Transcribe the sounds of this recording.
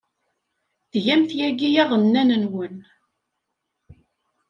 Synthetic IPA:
θʝæmθjæɡijæʁˤənːænənwən

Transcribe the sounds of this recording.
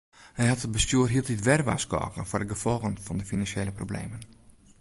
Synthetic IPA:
hɛjɦɑtəbəstjyərɦiəlˠtitʋɛrʋa̰ːskɔ̰ːkənfʊːrdəɡəfɔlˠɣənfɔndəfinɑnsjeːləproblḛːmən

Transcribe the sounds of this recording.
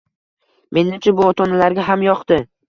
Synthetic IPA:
me̞nːɪmt͡ʃʰʊbʊɒt̪ʰɒnalaɾɡʲaɦamjɒqt̪ɪ

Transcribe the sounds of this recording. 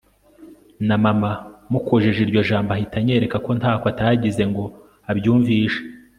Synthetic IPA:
namamamukʰoʒeʒiɾɟo̞ʒaːmbaɦitaɲe̞ːɾe̞kako̞nthaːkoataɟize̞ŋɡo̞ | abjuːɱviːʃe̥

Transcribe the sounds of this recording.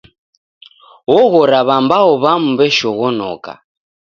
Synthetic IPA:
wɔɣɔɾaβambaɔβam̩βɛʃɔɣɔnɔ̰ka̰

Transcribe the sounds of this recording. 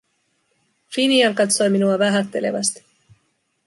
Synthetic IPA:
finiɑlkɑt̪so̞jminuɑʋæɦæt̪ːe̞lḛʋɑ̰st̪

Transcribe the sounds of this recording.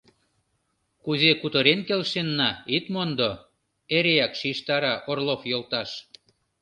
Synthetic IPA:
kuzekut̪əɾenkelʃenːɑit̪mond̪o | eɾeɑkʃiʃt̪ɑɾɑʔorlofjolt̪ɑʃ

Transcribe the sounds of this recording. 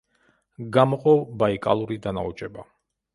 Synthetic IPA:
ɡamɔqʼɔbaikʼalˠuɾid̪ana̰ut͡ʃʼɛba

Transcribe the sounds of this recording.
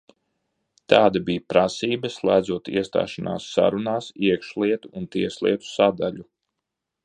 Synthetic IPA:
t̪aːd̪abijpɾasiːbɐslˠæjd̪zuɔt̪ḭɛst̪a̰ːʃana̰ːsːa̰ɾunaːsiɛkʃlˠiɛt̪uːnt̪iɛslˠḭɛt̪u̥sad̪aʎu

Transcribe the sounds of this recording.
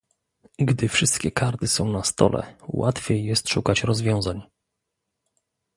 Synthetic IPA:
ɡd̪ɘfʂɘst̪kʲɛkaɾt̪ɘsɔ̃w̃nast̪ɔ̰lʔɛ̰wat̪fʲjejːɛst̪ʂukat͡ɕɾɔzvʲjɔ̃w̃zaɲ

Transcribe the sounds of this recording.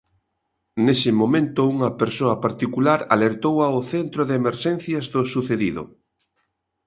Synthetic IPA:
nesɪmomẽnt̪ʊuŋɐpeɾsoɐpaɾt̪ikulaɾa̰leɾt̪owaoθent̪ɾoðeemeɾʃɛnθjazðosuθeðiðʊ̰

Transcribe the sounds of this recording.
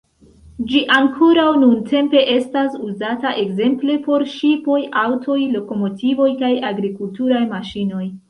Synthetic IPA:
d͡ʒiʔaŋkʰoɾawnuntʰe̞mpe̞ʔe̞stasuzataʔe̞kze̞mple̞po̞ɾʃipo̞jʔawtʰo̞jlo̞ko̞mo̞tʰivo̞jkajaɡɾikultuɾajmaʃino̞j

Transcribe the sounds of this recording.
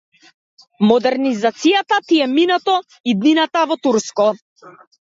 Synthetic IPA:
mɔd̪ɛɾnizat̪sijat̪at̪iɛminat̪ɔ | id̪ninat̪avɔt̪uɾskɔ

